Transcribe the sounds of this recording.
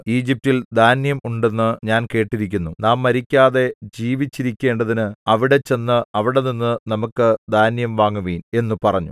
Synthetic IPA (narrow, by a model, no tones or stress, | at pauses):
iːd͡ʑip̚tild̪aːnjɐmuɳɖe̞nːɨɲaːnke̞ːʈːiɾik̬ʲːunːunaːmːɐɾikʲːaːðe̞d͡ʑiːʋit͡ɕːiɾikʲːe̞ːɳɖɐðinɨɐʋiɽe̞t͡ɕːe̞nːɨɐʋiɽe̞ninːɨnɐmukːɨd̪ʱaːnjɐmʋaːŋːuʋiːne̞nːɨpɐrɐɲːṵ